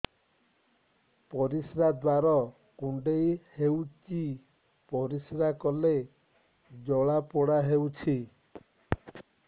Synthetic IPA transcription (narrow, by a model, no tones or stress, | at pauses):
pɔɾisɾad̪waɾɔ | kuɳɖejhewt͡ʃi | pɔɾisɾakɔle | d͡ʒɔɭapɔɽaɦewt͡ʃʰi